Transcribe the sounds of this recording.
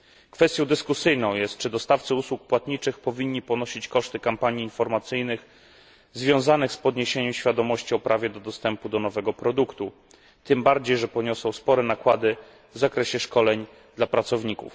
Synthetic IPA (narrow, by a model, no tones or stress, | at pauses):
kfɛst̪jɔ̃w̃d̪ɘskusɘjnɔ̃w̃jɛst̪̚t͡ʂɘd̪ɔst̪aft̪sɘuswuk̚pwat̪ɲit͡ʂɘxpɔvʲiɲːipɔnɔɕit͡ɕkɔʂt̪ɘkampaɲiːnfɔɾmat̪sɘjnɘx | zvʲjɔ̃w̃zanɘxspɔd̪ɲeɕeɲɛmɕfʲjad̪ɔmɔɕt͡ɕiɔpɾavʲjɛd̪ɔd̪ɔst̪ɛmpud̪ɔnɔvɛɡɔpɾɔd̪ukt̪u | t̪ɘmbaɾd͡ʑejʐɛpɔɲɔsɔ̃w̃spɔɾɛnakwad̪ɘ | vzakɾɛɕɛʂkɔlɛɲ | d̪lapɾat̪sɔvɲikṵf